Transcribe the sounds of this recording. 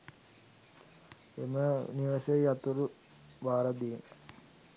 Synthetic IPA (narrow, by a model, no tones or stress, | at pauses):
ḛməniʋəsejat̪uɾu | baːɾad̪ina